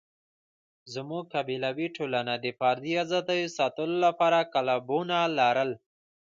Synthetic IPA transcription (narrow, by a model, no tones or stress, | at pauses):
zəmukabilawiʈʰolanad̪əfaɾd̪iazat̪ajusat̪əlolapaːɾakalabunalaɾəl